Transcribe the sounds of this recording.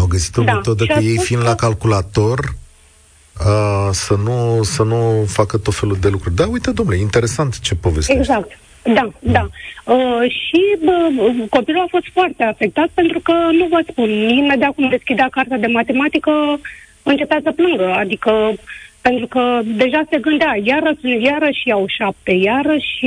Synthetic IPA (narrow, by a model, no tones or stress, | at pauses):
awɡəsi̥t̪od̪at̪od̪aʃəjejfind̪lakalkulat̪o̞r | əsənusənufakət̪o̞t̪fe̞lud̪e̞lukɾurʲd̪aujt̪əd̪omnleint̪e̞ɾe̞sant̪t͡ʃe̞po̞ve̞st̪eɡzakt̪ | d̪ad̪aəʃiəko̞pilulafo̞st̪foart̪e̞afe̞k̚t̪at̪̚pe̞nt̪ɾukənuvət̪spunmimed̪eakumd̪e̞skʲid̪eakart̪ad̪e̞mat̪e̞mat̪ikə | ɨnt͡ʃe̞pat̪səplɨŋɡəad̪ikəpe̞nt̪ɾukəd̪e̞ʒase̞ɡɨnd̪eajaɾəsɨnt̪jaɾəsʃiawʃap̚t̪e̞jaɾəʃʲi